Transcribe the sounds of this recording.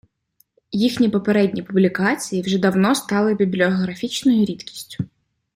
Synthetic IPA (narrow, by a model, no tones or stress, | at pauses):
jixnʲipɔpeɾɛdʲnʲipʊblʲikɑt͡sʲijiwʒɛd̪ɐwnɔst̪ɑlˠɪbʲiblʲiɔɦɾɐfʲit͡ʃnɔjʊɾʲit̪kʲi̥sʲtʲʊ̥